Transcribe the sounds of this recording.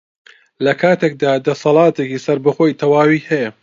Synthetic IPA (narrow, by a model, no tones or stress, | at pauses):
lɐkʰaːt̪ʰek̚d̪aːd̪ɐsɑlˠɑːt̪ʰekiːsɐɾbɨxoːjt̪ʰɐwaːwiːhɛjɐ